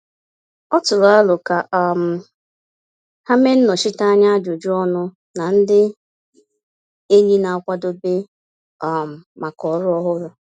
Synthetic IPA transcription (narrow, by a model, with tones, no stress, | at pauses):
ɔ˦tʊ˨ɾʊ˨a˦lʊ˨ka˨ʔa˨m̩˨ | ha˦me˦n̩˦nɔ˨ʃi˦ta˦ɲa˦a˦d͡ʒo˨d͡ʒu˦ɔ˦nʊ˦ | na˨n̩˦dɪ˦ | e˦ɲi˦na˨kʷa˦do˦bɪ˦ | a˨m̩˨ma˨kɔ˨˦ɾʊ˦ɔ˦ɦʊ˦ɾʊ˨